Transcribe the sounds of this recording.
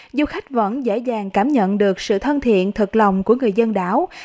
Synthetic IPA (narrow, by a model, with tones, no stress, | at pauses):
zu˧xa˦˥jk̟̚və̰˧˥nzḛ˧˥zaː˨˩ŋkaː˧˩mɲə̰˧˨nɗɨ˨˩ək̚sɨ̰˧˨t̪ʰə˧nt̪ʰḭ˧˨ənt̪ʰɨ˨˩k̚la˨˩wŋ͡mku˧˩əŋɨ˨˩əjzə˧nɗa̰ː˧˥w